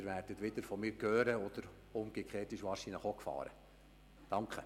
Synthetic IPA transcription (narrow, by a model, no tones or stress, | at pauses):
ɾʋærdətʋɪd̪əɾfɔmɪːɾkøːɾəɔd̥̪əɾ | ʊmɡ̥ekχeːtiʃʋɑːɾʃinləχokfɑ̰ːɾə̰ | d̥ɑŋkχə